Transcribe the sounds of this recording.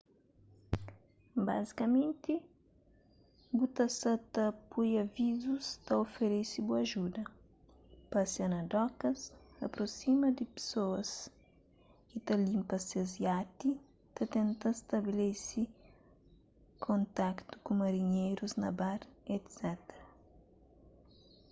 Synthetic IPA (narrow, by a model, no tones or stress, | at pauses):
ba̰zikɐmẽnt̪i | but̪asat̪ɐpujavizust̪ɐofeɾesibuɐʒud̪ɐ | pasianɐd̪ɔkɐsɐpɾosimɐd̪ipsoɐs | kit̪alimpɐsiazjat̪i | t̪ɐt̪ent̪ast̪ɐbilesi | kʰõnt̪akt̪u̥kumɐɾiɲejɾuznɐbaɾet̪sɛt̪eɾɐ